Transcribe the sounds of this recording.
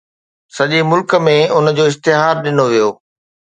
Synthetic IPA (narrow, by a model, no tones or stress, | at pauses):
sɐʄimʊlkmẽʊnəd͡ʑoːɪs̬t̪ɪɦaːɾɗɪnoʋijoː